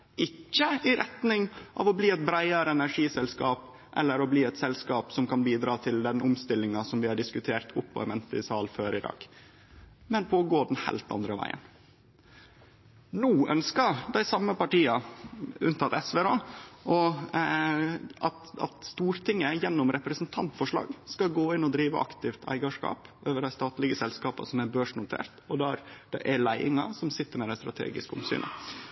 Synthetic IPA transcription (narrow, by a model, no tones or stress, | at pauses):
ɪcːəɪɾʔɛt̪nɪŋʔɑ̰ːʋɔbliːɛt̪̚bɾæɪɑɾəɛnæʂiːsɛlskɑːp | ʔɛ̰lːəɾɔbliːɛt̪sɛlskɑːpsɔmkɑnbiːd̪ɾɑːt̪ʰɪld̪ɛnʔʊmst̪ɪlːɪŋɑsɔmʋɪhɑɖɪskʉt̪ʰeːɾt̪ʰʊpːɔ̰ɛmɛnt̪əɪsɑːlføːɾɪd̪ɑ̰ːɡ̥ | mɛnpʰɔɔɡoːɖ̪ɛnhæ̰ɪlt̪ɑ̰nd̪ɾəʋæ̰ɪə̰n | nuːœ̰nskəɾd̪æɪsɑmːəpɑʈiːɑʉ̰nt̪ʰɑt̪ɛsʋeɾoːʔɔ | ʔɑt̪ɑ̰t̪st̪uːɾt̪ʰɪŋːəjɛnːʊmɾɛpɾəsnt̪ʰɑnt̪fɔʂɭɑ̰ːɡskɑɡoːɪnːɔd̪ɾiːʋə̰ʔɑ̰kt̪ɪft̪ʰæ̰ɪɡɑʂkɑ̰ːpʔøːʋəɖæɪst̪ɑːt̪lɪɡəsɛlskɑːpɑ̰sɔmæɾbøːʂnʊt̪ʰḛːɾt̪ɔd̪æɾd̪̥ɛ̰ʔælæɪɪ̰ŋɑ̰sɔmsɪt̪ːəɾmɛd̪æɪst̪ɾɑt̪ʰḛːɡɪ̰skʊ̰msy̰ːnʔə̰